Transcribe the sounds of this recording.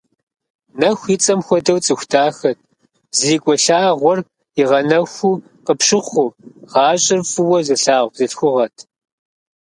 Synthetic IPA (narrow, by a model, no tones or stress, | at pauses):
nɐxʷit͡sʼɐmxʷɔdɐwt͡sʼɨxʷtʰaːxɐt̚ʰ | ziːkʷʼɔɬaːʁʷɔr | ɪʁɐnɐxʷuː | qəpɕɪχʷʊʁɑːɕʼɪrfɨwɐzɨɬaːʁʷbzɨɬxʷʊʁɐtʰ